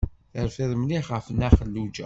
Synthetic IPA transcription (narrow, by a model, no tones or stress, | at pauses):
θəɾfɪðˤmliχʁəfənːæχəlːud͡ʒæ̰